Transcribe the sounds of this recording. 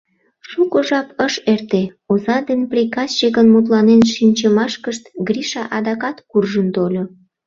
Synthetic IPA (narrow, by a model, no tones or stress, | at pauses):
ʃukoʒɑpəʃert̪eozɑd̪enprʲikɑst͡ɕeɣənmut̪̬lɑnenʃinʲt͡ɕəmɑʃkəʃt̪ɡriʃɑʔɑd̪ɑkɑt̪kurʒənt̪olʲo